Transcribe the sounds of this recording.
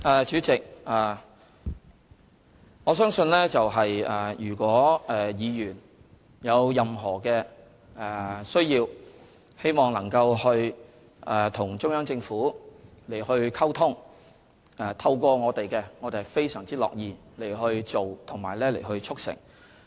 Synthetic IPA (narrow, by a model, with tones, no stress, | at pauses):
ʔɛː˨t͡ʃyː˨˥t͡sɪ˨k̚ʔaː˨ | ŋɔː˨˧sœː˥ŋsɵ˧nlɛː˥t͡sɐ˨wɦɐ˨jɛː˨jyː˨˩kʷɔː˨˥ɛː˨jiː˨˧jyː˨˩n | jɐ˨˧wjɐ˨mɦɔː˨˩kɛː˧ | ɛː˨˩sɵ˥ɥjiː˧w | he˥jmɔː˨ŋlɐ˨˩ŋkɐ˧whɵ˧ɥ | ʔt̪ʰʊ˨˩ŋt͡ʃʊ˥ŋjœː˥ŋt͡sɪ˧ŋfuː˨˥le˨˩jhɵ˧ɥkʰɐ˥wt̪ʰʊ˥ŋ | ɛː˨˩t̪ʰɐ˧wkʷɔː˧ŋɔː˨˧t̪e˨jkɛ˧ŋɔ˨˧t̪e˨˩hɛ˨fe˥jsœː˨˩ŋt͡siː˥lɔ̰ː˨k̚jiː˧le˨˩jɦɵ˧ɥt͡so˨wt̪ʰʊ˨˩ŋma̰ː˨˩lɛː˥le˨˩jɦɵ˧ɥt͡ʃʰʊ˥k̚sɪ̰˨˩ŋ